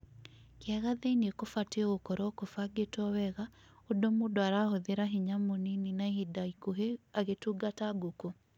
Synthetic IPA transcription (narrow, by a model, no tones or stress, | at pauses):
kɪaɣaðeinekofatɣokɔɾɔkofaɡetɔwɛɣa | odomodoaɾahoðeɾaɦiɲamonininahidaikoɦeaɣetuɡataɡoko